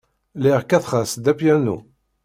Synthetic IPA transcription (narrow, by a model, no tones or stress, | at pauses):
liʁkːæθχasd̪æpjænṵ